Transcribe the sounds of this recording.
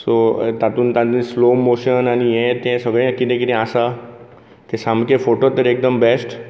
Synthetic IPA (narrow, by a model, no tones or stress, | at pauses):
sot̪at̪uːnt̪ãt̪ĩslomoɕənanijẽt̪ẽsəɡɭẽkit̪ẽkit̪ɛ̃asa | t̪ẽsãmkẽfoʈot̪əɾek̚d̪əmbɛsʈ